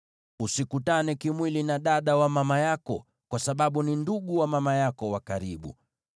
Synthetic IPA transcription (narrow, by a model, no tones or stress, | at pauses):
usikutanɛkimwilinaɗaɗawamamajakɔ | kwasaɓaɓuninduɠuwamamajakɔwakaɾiɓṵ